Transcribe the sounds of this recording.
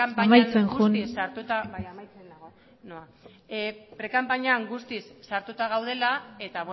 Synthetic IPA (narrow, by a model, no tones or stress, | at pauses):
ampamajt͡senʝusnisaɾt̪ut̪a | noa | pɾe̞kampaɲaŋɡust̪isːaɾt̪ut̪aɣ̞awð̞e̞lae̞t̪aβ